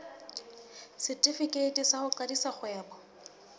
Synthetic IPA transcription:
sɪtʼɪfikʼetʼisaχʊǃadisaχwɛːbɔ

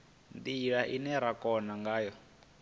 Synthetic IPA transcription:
nd̪iɺaʔinɛɾakɔnaŋɡaːjɔ

